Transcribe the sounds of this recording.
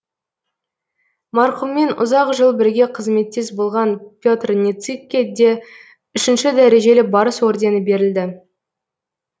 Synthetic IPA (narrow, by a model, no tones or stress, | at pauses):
mɑɾqəmːe̞nʊ̰zɑqʒəlˠbɪɾɡʲe̞qʰəzme̞t̪̚ːes̬bolˠʁɑnpʲjo̞t̪rnʲet̪sikʲːed̪e | ʏʃɪnʃɪd̪æɾe̞ʒe̞lɪbɑɾəswoɾd̪e̞nɪbe̞ɾɪld̪ɪ